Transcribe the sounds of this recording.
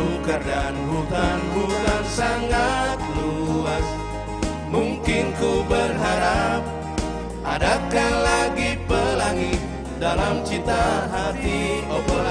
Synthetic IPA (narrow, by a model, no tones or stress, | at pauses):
kərdanbuɦanɾuɦansaŋat̪̚luas | muŋkɪnkubərɦaɾap̚ | ʔadakalaɡipəlaŋit̪̚ | dalamt͡ʃit̪aɦat̪iɔbɔla